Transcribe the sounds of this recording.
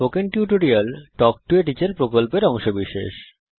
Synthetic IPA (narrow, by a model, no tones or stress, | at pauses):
pokenʈjuʈoɾialʈɔk̚ʈueʈ̬it͡ɕeɾpɾokolpeɾɔŋʃobiʃḛʃ